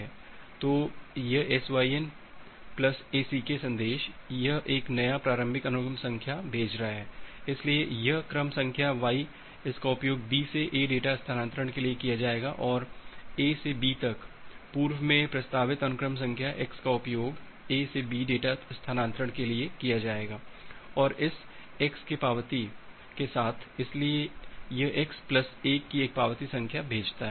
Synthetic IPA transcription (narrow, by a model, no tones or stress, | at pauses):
ɛː | t̪oːjɐesʋaːiɛn | plɐseːsiːkesɐ̃nd̪eːʃjɐɦʔeːknɐjapɾaːɾə̃mbʱɪkɐnʊkəmsɐ̃ŋkʰjabʱeːt͡ʃɾɐɦaɦɛːɪsliejɐɦkɾəmsɐ̃ŋkʰjaʋaːi | ɪskaʊpjoːɡ̚biːseʔeːɖeːʈast̪ʰaːnãːnt̪ɾəɽ̃keliekijad͡ʒaːeːɡaʔɔːɾeːsebiːt̪ɐkpuːɾʋmẽpɾɐst̪aːʋɪt̪ɐnʊkɾəms̬ɐ̃ŋkʰjaʔekskaʊpjoːɡ | eːsebiːɖeːʈast̪ʰaːnãːnt̪ɾəɽ̃keliekijad͡ʒaːeːɡaːɔːɾɪs | ɪkskepaːʋət̪i | kesaːt̪ʰɪsliejɐʔɪksplɐseːkːieːk̚paːʋət̪isɐ̃ŋkʰjabʱeːd͡ʒt̪aɦɛ